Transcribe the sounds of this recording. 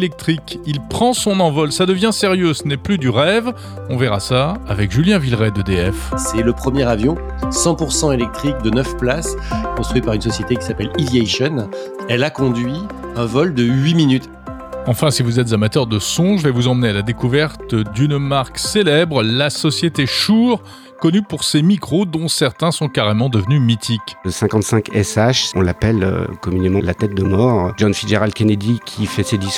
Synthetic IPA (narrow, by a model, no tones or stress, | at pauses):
lɛk̚t̪χikilpχɑ̃sɔ̃nɑ̃vɔlsad̪əvjɛ̃seʁjøsənɛplyd̪yʁɛv | ɔ̃vɛʁasaːvɛkʒyljɛ̃vilʁɛd̪əd̪eɛfsɛləpχəmjɛʁavjɔ̃ | sɑ̃puʁsɑ̃elɛk̚t̪χik̚d̪ənœfplaskɔ̃st̪χɥit̪paʁynsɔsjet̪ekʲi̥sapɛlivjɛʃɔn | ɛlakɔ̃d̪ɥiɛ̃vɔld̪əɥiminyt̪ | ɑ̃fɛ̃sivuzɛt̪zamat̪œʁd̪əsɔ̃ʒəvɛvuzɑ̃mnealad̪ekuvɛʁt̪d̪ynmaʁkselɛbʁlasɔsjet̪eʃuʁ | kɔnypuʁsemikχod̪ɔ̃sɛʁt̪ɛ̃sɔ̃kaʁemɑ̃d̪əvnymit̪ʰikʲsɛ̃kɑ̃t̪sɛ̃kɛsaʃɔ̃lapɛlø̰kɔmynemɑ̃lat̪ɛt̪̚d̪əmɔʁʒɔnfiʒeʁald̪̚kʲɛned̪ikʲʰifɛsed̪is